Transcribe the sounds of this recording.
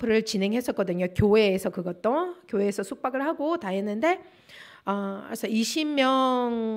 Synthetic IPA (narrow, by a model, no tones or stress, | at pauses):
pʰɯɾɯɭt͡ɕinɦe̞ŋɦe̞s͈ʌt̚k͈ʌdɯɲokjoɦe̞ːsʰʌkɯɡʌt͈okjoɦeːsʰʌsʰuk̚p͈aɡɯɭhaɡotaɦenːɯnde̞ | ʌesʰʌiɕʰimːjʌŋ